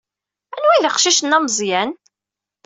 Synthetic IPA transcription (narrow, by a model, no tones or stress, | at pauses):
ænwæjðəqʃiʃənːæməzˤjæn